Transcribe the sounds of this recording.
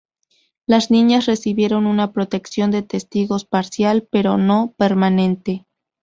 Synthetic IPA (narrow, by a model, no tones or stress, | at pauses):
laznĩɲasre̞siβje̞ɾo̞nunapɾo̞t̪e̞ksjo̞nd̪e̞t̪e̞st̪iɣo̞spaɾsjalpe̞ɾo̞no̞pe̞ɾmanẽ̞nt̪e̞